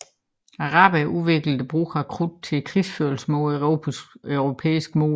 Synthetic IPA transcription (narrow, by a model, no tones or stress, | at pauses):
ɑʁɑ̈ːb̥æʔuʋe̝ɡ̥ləd̥əb̥ʁṵːɡɑkʰʁud̥̚t͡sʰe̝kʰʁisføɐlsmɔ | œʊʁo̝pʰḛːisɡ̥mo̝̰ː